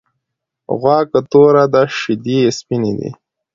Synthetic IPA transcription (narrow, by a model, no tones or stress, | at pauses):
ɣwɑːkat̪oɾad̪aʃɪd̪iespinḛd̪ḭ